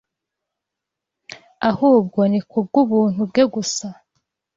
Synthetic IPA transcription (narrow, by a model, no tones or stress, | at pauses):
ahuːb̚ɡonikubɡuβuːn̥hubɡeɡusa